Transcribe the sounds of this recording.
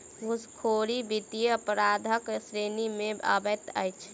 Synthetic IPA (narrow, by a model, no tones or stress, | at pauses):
ɡʱuskʰoɾibit̪ijəpɾaːd̪ʱəksɾenimẽbə̰bət̪ə̰jt͡ʃʰ